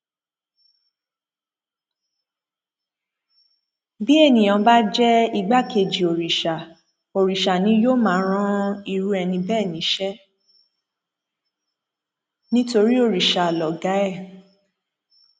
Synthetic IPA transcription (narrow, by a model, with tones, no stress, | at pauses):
bi˦e˦˨nĩ˨jã˨˧ba˦d͡ʒɛ˦i˧ɡ͡ba˦ke˨d͡ʒi˨o˨ɾi˨ʃa˨ | o˨ɾi˨ʃa˨nĩ˨˦jo˦mãː˨˦ɾ̃ã˦i˧ɾu˦ɛ˧nĩ˧bɛː˦˨nĩ˨˦ʃɛ˦ | nĩ˦to˧ɾi˦o˦˨ɾi˨ʃa˨lɔ˨ɡa˨˦ɛ˦˨